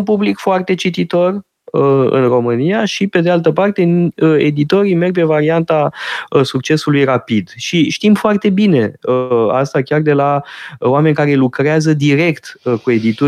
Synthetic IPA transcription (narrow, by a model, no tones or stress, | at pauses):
npublikfoart̪e̞t͡ʃit̪it̪o̞r | əɨ̰nro̞mɨnijaʃipe̞d̪ealt̪əpart̪e̞e̞̰d̪it̪o̞ɾime̞rɡ̚pe̞vaɾiant̪aəsuk̚t͡ʃe̞sulujrapid̪ʃiʃt̪imfoart̪e̞bine̞əa̰st̪akʲard̪e̞laoame̞nʲkaɾe̞lukɾeazəd̪iɾe̞kt̪kue̞d̪it̪u